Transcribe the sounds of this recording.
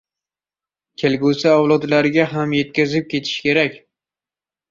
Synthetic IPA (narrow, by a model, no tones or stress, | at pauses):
kʲʰelɡʲusɪɒwlˠɒd̪laɾɪɡʲaɦamjet̪̚kʲazɪp̚kʲʰe̞t̪ʰɪ̥ʃkʲe̞ɾakʲ